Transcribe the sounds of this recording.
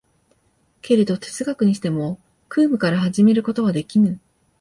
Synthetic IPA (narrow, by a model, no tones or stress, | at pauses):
ke̞ɾe̞d̪o̞t̪ʰe̞̥t͡sɨɡakɯ̟ɲ̟iɕi̥t̪e̞mo̞ | kɯːmɯ̟kaɾaɦaʑime̞ɾɯ̟ko̞t̪o̞β̞ad̪e̞kʲinɯ